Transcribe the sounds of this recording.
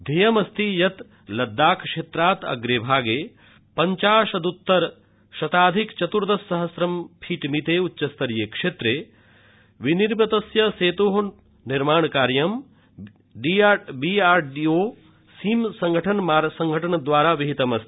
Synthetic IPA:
d̪ʱejɐmɐst̪ijɐt̪ | lɐd̪ːaːkʂeːt̪ɾaːt̪ɐ̰ɡɾeːbʱaːɡeː | pɐɲt͡ʃaːʃɐd̪ut̪ːɐɾ | ʃɐt̪aːd̪ʱikt͡ʃɐt̪uɾd̪ɐsːɐɦɐsɾɐmpʰiːʈmit̪eːutːʃɐst̪ɐɾjeːkʂeːt̪ɾeː | ʋiniɾbɐt̪ɐsjɐseːt̪oːɦ | niɾmaːɳkaːɾjɐm | ɖibiːaːɾɖioː | siːmsɐ̃ŋɡʱɐʈʰɐnmaːɾsɐŋɡʱɐʈʰɐɳɐd̪ʋaːɾaːʋiɦit̪ɐmɐst̪i̥

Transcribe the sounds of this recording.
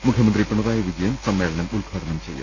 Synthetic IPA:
mukʰjɐmɐnd̪ripːɐɳːɐðaːjɐʋid͡ʑɐjɐmsɐmːe̞ːɭɐnɐmulkʰaːɾɐnɐmt͡ɕejːṵ

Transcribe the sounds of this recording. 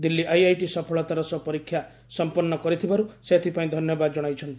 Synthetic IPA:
d̪ilːiʔajajʈisɔpʰɔɭɔt̪aɾɔsɔpɔɾikʰːja | sɔmpɔnːɔkɔɾit̪ʰibaɾuset̪ʰipaĩd̪ʱɔnjɔbad̪ɔd͡ʒɔɽ̃ajt͡ʃʰɔnt̪i

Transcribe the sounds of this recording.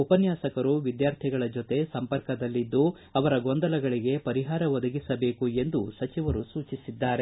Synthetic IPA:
upɐnjaːsɐkɐɾuʋid̪jaːɾt̪ʰiɡɐɭɐd͡ʒot̪e̞sɐmpɐɾkɐd̪ɐlːid̪ːu | ɐʋɐɾɐɡond̪ɐlɐɡɐɭiɡe̞pɐɾiɦaːɾɐʋɔd̪ɐɡisɐbe̞ːkue̞nd̪usɐt͡ʃiʋɐɾusuːt͡ʃisid̪ːaːɾe

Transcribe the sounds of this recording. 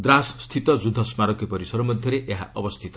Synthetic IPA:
d̪ɾasːt̪ʰit̪ɔd͡ʒud̪ʱɔsmaɾɔkepɔɾisɔɾɔmɔd̪ʱjɔɾeʔeɦaʔɔbɔst̪ʰit̪ɔ̥

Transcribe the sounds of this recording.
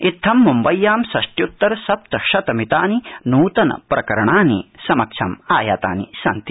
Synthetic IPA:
it̪ʰːɐmːumbɐjːaːmsɐʂʈjut̪ːɐɾsɐp̚t̪ɐʃɐt̪ɐmit̪aːninuːt̪ɐnɐ̰pɾɐkɐɾɐɳaːnḭsɐmɐkʃʰɐ̰maːjaːt̪a̰ːnḭsɐ̰nt̪i

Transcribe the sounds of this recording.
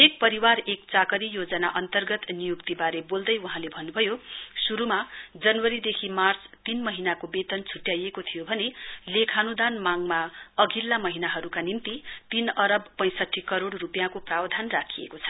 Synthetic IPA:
ek̚pʌɾiwarek̚t͡sakʌɾijod͡zʌnaʔʌnt̪ʌrɡʌt̪nijukt̪ibaɾebold̪ʌjuɦãlebʱʌnubʱʌjosuɾumad͡zʌnwʌɾid̪ekʰimart͡st̪inmʌɦinakobet̪ʌnt͡sʰuʈjajekot̪ʰijobʱʌnelekʰanud̪anmaŋmaʌɡʱilːamʌɦinaɦʌɾukanimt̪it̪inʌɾʌbpʌj̃sʌʈʰːikʌɾoɽrupjãkoprawd̪ʱanrakʰijḛkot͡sʰʌ̥

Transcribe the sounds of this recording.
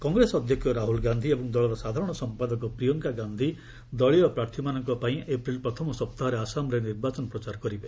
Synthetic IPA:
kɔŋɡɾesɔd̪ʱjɔkʰjɔɾaɦulɡand̪ʱiebɔŋd̪ɔɭɔɾɔsad̪ʱaɾɔɽ̃ɔsɔmpad̪ɔkɔpɾijɔŋkaɡand̪ʱi | d̪ɔɭiɔpɾaɾt̪ʰimanɔŋkɔpaĩʔepɾilpɾɔt̪ʰɔmɔsɔp̚t̪aɦɔɾeasamɾeniɾbat͡ʃɔnɔpɾɔt͡ʃaɾɔkɔɾibe

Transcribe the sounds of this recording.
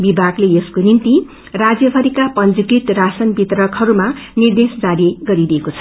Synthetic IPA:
bibʱaɡleeskonint̪i | rad͡zjʌbʱʌɾikapʌnd͡zukit̪rasʌnbit̪rʌkʰhʌɾumanird̪esd͡zaɾiɡʌɾid̪iekot͡sʰʌ̥

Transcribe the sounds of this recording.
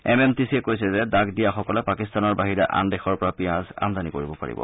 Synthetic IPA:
ɛmɛmtisiɛkojsɛzɛdaɡdijaxɔkɔlɛpakistanɔɹbaɦiɹɛʔa̰ndɛxɔɹpɔɹapiãza̰mdanikoɹibɔpa̰ɹḭbɔ̰

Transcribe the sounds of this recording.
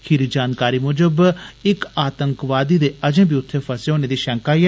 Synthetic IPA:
kʰɪɾiːd͡ʒaːnkaːɾiːmʊd͡ʒəbɪkaːt̪əŋkʋaːd̪iːd̪eːʔəd͡ʒẽːbiːʊt̪ʰːeːpʰəseːɦoːneːd̪iːʃɛ̃ːŋkaːiɛ

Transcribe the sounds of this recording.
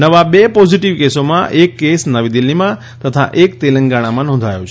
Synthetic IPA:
nəʋabepɔziʈiʋkesomã̰ʔekːesnəʋid̪ilːimã | t̪ət̪ʰa̰ʔekt̪elə̃ŋɡaɽ̃amãnɔ̃nd̪ʱajõt͡ʃʰ

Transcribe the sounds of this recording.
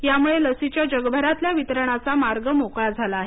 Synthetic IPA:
jamuɭeləsit͡ɕjad͡ʑəɡbʱəɾat̪ljaʋit̪əɾəɳ̃at͡samaɾɡəmokɭad͡zʱalaːɦe

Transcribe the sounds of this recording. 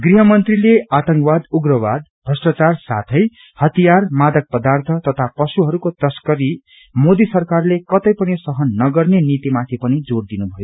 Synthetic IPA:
ɡriɦʌmʌnt̪rileat̪ʌ̃ŋkbad̪uɡrʌwad̪̚bʱʌsʈat͡sarsa̰t̪ʰʌj | hʌt̪ijarmad̪ʌk̚pʌd̪art̪ʰʌt̪ʌt̪ʰapʌsuɦʌɾukot̪ʌskʌɾi | mod̪isʌrkarlekʌt̪ʌjpʌnisʌɦʌnːʌɡʌrnenit̪imat̪ʰipʌnid͡zoɽd̪inubʱʌjo

